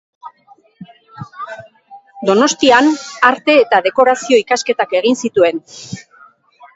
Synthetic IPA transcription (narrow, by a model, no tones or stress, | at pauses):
d̪o̞no̞st̪ianaɾt̪e̞ːt̪að̞e̞ko̞ɾasio̞ikaske̞t̪ake̞ɣ̞insit̪ue̞n